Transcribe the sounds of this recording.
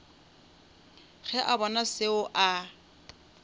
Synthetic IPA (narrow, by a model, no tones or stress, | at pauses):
ɣɛʔabɔnasɪʊʔa